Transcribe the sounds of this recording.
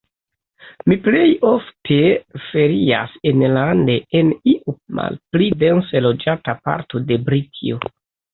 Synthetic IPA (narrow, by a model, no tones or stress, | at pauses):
miple̞jo̞ftʰefe̞ɾia̰senlande̞eniʔuma̰lplidenselo̞d͡ʒatapa̰ɾto̞de̞bɾitʰḭo